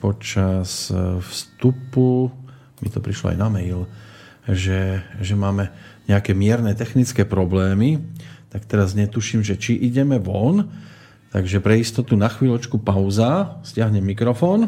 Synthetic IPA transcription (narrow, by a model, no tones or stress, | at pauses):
pɔt͡ʃasfst̪upu | mḭt̪ɔpɾiʃlɔ̰a̰jnamɛil | ʒɛʒɛmaːmɛɲɛakɛːmɪɛɾnɛt̪ɛxnit͡skɛːpɾɔblɛːmit̪akt̪ɛɾazɲɛt̪uʃiːmʒɛt͡ʃiʔiɟɛmɛʋɔn | t̪aɡʒɛpɾɛist̪ɔt̪unaxʋiːlɔt͡ʃkupaʊzascɪaɦɲɛmːikɾɔfɔːn